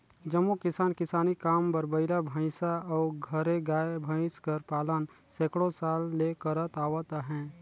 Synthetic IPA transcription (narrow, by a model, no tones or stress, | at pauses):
d͡ʒəmːukɪsaːnkɪsaːnikaːmpəɾbəɪlabʱə̃ɪ̃saɔːɾɡʱəɾeɡaːjbʱə̃ɪ̃skəɾpaːlən | seːkɽosaːlːekəɾət̪aːwət̪aɦɛ̃ː